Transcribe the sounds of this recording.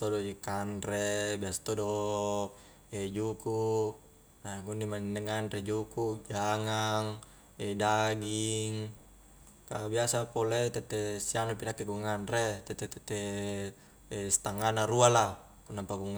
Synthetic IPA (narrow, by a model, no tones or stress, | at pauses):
t̪odod͡ʒikanrebiasḁt̪odo | ed͡ʒuku | naɡunimannɛŋanred͡ʒukud͡ʒaŋaŋ | ɛdaɡiŋ | kabiasapolet̪ɛt̪ɛsianopinakːiɡuŋanret̪ɛt̪ɛt̪ɛt̪ɛ | ɛst̪aŋanaɾuala | nampaɡuŋ